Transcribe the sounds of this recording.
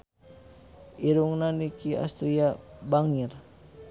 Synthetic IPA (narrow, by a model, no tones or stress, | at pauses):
ʔiɾuŋnanikia̰st̪ɾiabaŋir